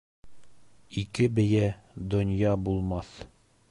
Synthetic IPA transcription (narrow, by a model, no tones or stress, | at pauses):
ikɘbɘ̆jæd̪ŏnjɑbulˠmɑθ